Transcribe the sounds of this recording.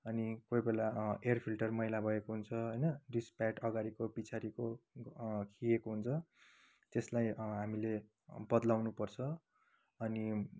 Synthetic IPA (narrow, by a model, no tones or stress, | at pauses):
ʌnikojbelaerpʰilʈʌrmʌɦjlabʱʌekoɦunt͡sʰʌɦʌjnʌɖispaʈʌɡaɾikopit͡sʰaɾiko | kʰiekoɦunt͡sʰʌ | t̪eslajɦamile | bʌd̪lawnupʌrt͡sʰʌ | ʌni